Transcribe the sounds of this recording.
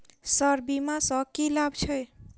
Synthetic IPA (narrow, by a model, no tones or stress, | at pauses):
səɾbimasə̃kilabt͡ʃʰəj